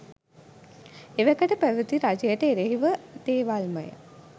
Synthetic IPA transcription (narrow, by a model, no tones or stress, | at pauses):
eʋækəʈəpæʋət̪iɾad͡ʒəjəʈəeɾeɦiʋəd̪eːʋalməjə̰